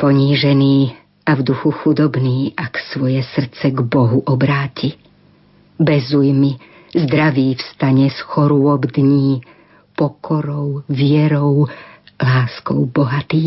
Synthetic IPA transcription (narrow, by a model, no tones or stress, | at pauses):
pɔɲiːʒɛniː | ʔavd̪uxuxud̪ɔbniːʔaksʋɔjɛsr̩t͡sɛɡbɔɦuʔɔbɾaːci | bɛzujmi | zd̪ɾaʋiːfst̪aɲɛsxɔɾʊɔbd̪ɲiː | pɔkʰɔɾɔʊʋɪɛɾɔʊ | laːskɔ̰ʊbɔɦat̪iː